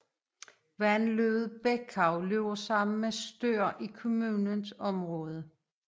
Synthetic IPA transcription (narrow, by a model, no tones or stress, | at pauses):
ʋænløð̩ˠb̥ekʰɑ̈ʊle̝ʊɐsɑ̈m̰n̩mesd̥øɐ̰ʔikʰo̝muːnənsɒ̽mʁɔ̽ːð̞ˠə